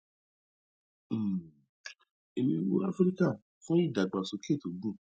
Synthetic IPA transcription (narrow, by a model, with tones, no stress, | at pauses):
e˧mĩ˧˦wo̰˦a˦fɾi˦ka˦˨ | fũ˦i˦˨da˨ɡ͡ba˨so˨˧˦ke˦˨to˨ɡũ˦